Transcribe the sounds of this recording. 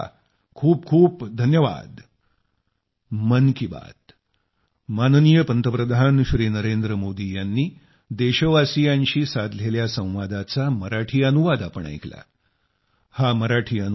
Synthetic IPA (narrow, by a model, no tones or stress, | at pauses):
kʰuːp̚kʰuːpd̪ʱənjəʋa̰d̪ | mənkiba̰t̪ | manənijəpənt̪əpɾəd̪ʱanɕɾiːnəɾend̪ɾəmod̪ijanːiː | d̪eɕəʋasijãɲɕiːsad̪ʱleljasə̃w̃ʋad̪at͡saməɾaʈʰiːənuʋad̪apəɳa̰jkʰla̰ | haməɾaʈʰiːən